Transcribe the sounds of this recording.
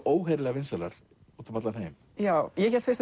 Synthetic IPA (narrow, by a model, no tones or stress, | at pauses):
oːwɦɛːɾlɛːɣavɪnsɛlaɾ̥ | uːt̪ʏmat̪lanejm | jaːwjɛçɛɾlt̪fɪ̥ɾst̪